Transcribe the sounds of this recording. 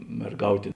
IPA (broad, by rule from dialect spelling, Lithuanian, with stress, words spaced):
mʲɛrˈɡɐʊtʲeː